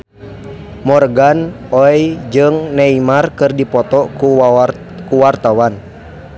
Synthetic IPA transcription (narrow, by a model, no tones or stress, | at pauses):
mɔrɡan | ɔjd͡ʒɨŋnɛimarkɨrdipɔt̪ɔku | kuwart̪awan